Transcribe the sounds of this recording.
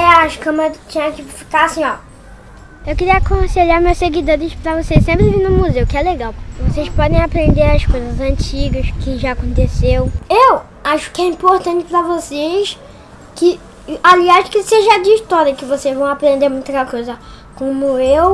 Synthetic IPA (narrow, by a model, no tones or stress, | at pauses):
ɛaʃkɐ̃mɐt͡ʃĩɲɐkɪfi̥kaasĩɔ | ewkɪɾiɐakõseʎaɾmeɐseɡid̪oɾɪspɾɐvosessẽmpɾɪvĩnʊ̃muzewkɪɛleɡawpokɪvosejspɔd̪ẽj̃apɾẽnd̪eɾɐskojzɐzɐ̃t͡ʃiɡɐskɪʒaːkõnt̪esewew | aʃʊ̥kɪɛĩpoɾt̪ɐ̃t͡ʃɪ̥pɾɐvoses | kɪ | aliaʃkɪseʒɐd͡ʒɪːʃt̪ɔɾiɐkɪvosezvɐ̃w̃apɾẽnd̪emũj̃t̪ɐkojzɐ | kõmʊew